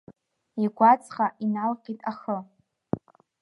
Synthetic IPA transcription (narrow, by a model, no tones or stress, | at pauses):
iɡʷat͡sʰʼχaʔinalqʲʼitʼaχə